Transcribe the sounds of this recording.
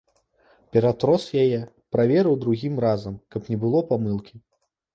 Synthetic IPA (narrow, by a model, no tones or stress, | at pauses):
pʲɛɾat̪ɾɔsjajɛ | pɾavʲɛɾɐwd̪ɾuɣʲimrazɐmkɐpnʲɛbɨlˠɔpamɨlˠkʲi